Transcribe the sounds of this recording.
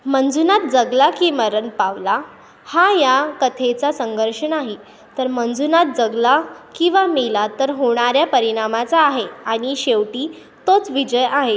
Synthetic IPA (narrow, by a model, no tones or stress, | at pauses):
mənd͡zunat̪̚d͡zəɡlakiːməɾənpaʋla | hajakət̪ʰet͡sasəŋɡəɾʂəɳaɦi | t̪əɾmənd͡zunat̪̚d͡zəɡlakĩw̃ʋamilat̪əɾɦoɳ̃aɾjapəɾiɽ̃amat͡saːɦeaɽ̃iɕeʋʈiː | t̪ot͡sʋid͡ʑəjaɦe